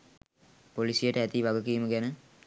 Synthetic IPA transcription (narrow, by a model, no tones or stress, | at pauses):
polisijəʈəæt̪iʋaɡəkiːməɡænə